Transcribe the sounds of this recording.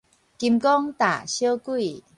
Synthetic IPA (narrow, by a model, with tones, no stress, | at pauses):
ki˧˩mkɔ˦˥ŋt̪a˨˩ɕi˦ə˦ku˥˩j